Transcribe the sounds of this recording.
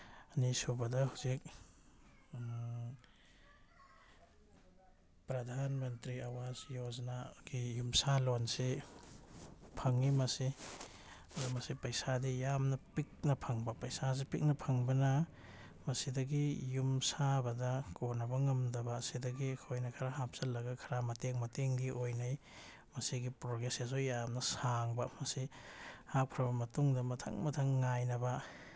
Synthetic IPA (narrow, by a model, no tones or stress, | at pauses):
ɐnisubɐdɐhuzik̚ | pɾɐdʱanmɐntɾiɐwazjoznaɡ̥ijumsalonse | pʰɐŋːimɐsi | ɐzumɐsipɐjsadijamnɐpik̚nɐpʰɐŋbɐpɐjsas̬epik̚nɐpʰɐŋbɐnɐ | mɐsidɐɡijumsabɐdɐkonɐbɐŋɐmdɐbɐːsidɐɡiɐkʰojnɐkʰɐɾaɦap̚sɐlːɐɡɐkʰɐɾamɐteŋmɐteŋɡiʔojnɐj | mɐsiɡipɾoɡesazujamnɐsaŋbɐmɐsihak̚pʰɾɐbɐmɐtuŋdɐmɐtʰɐ̰ŋmɐtʰɐŋːajnɐbɐ